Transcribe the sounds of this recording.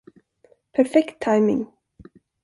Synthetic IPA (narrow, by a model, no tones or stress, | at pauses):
pʰæɾfɛkt̪ʰːajmɪ̰ŋ